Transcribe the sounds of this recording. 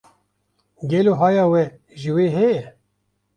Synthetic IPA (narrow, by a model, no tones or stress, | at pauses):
ɡɛloːɦɑːjɑːwɛ | ʒɨweːɦɛjɛ